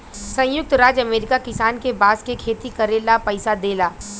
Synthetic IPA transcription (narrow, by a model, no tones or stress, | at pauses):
sɐ̃jʊk̚t̪ɾaːd͡ʒɐmeːɾɪkakɪsaːnkebaːskekʰeːt̪ikɐɾeːlapɐɪsad̪eːlaː